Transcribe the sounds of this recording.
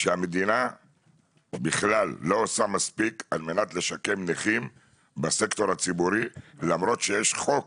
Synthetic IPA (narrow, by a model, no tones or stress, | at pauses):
ʃeamed̪ina | biχlalːo̞osamaspikalme̞nat̪le̞ʃake̞mneχim | base̞kt̪o̞ɾhat͡sibuɾilamɾo̞t̪ʃejeʃχo̞k